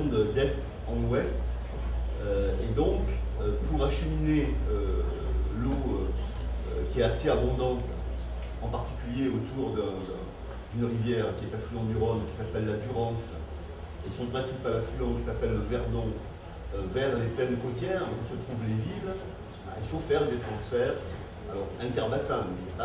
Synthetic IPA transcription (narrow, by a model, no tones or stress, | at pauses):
d̪ɛst̪ | ɑ̃wɛst̪ | øed̪ɔ̃k | øpuʁaʃəmineø | loø | kʲiɛt̪aseabɔ̃d̪ɑ̃t̪ | ɑ̃paʁt̪i̥kʲyljeot̪uʁd̪ɛ̃ | d̪ynʁivjɛʁkʲiɛt̪aflyɑ̃d̪yʁɔnkʲi̥sapɛlːad̪yʁɑ̃s | esɔ̃pχɛ̃sipalaflyɑ̃kʲi̥sapɛlːəvɛʁd̪ɔ̃ | øvɛʁleplɛnd̪əkot̪jɛʁ̃ɔ̃sət̪χuvlevil | ba̰ilfofɛʁd̪et̪χɑ̃sfɛːʁ | alɔʁɛ̃t̪ɛʁbasɛ̃mɛsɛpa